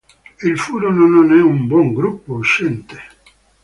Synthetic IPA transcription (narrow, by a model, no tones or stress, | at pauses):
ilfuːɾonononɛumbwɔŋɡɾupːouʃːɛnt̪e̥